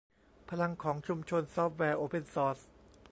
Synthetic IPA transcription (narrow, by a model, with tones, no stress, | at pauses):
pʰa˧la˧ŋkʰɔː˩˦ŋt͡ɕʰu˧mt͡ɕʰo˧nsɔː˥p̚wɛː˧ʔoː˧˩pʰe˧nsɔː˦˥s